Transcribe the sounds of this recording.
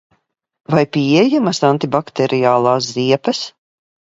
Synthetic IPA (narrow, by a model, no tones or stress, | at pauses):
vajpiɛjamasant̪ibakt̪ɛɾʔijaːlˠaːsziɛpɐs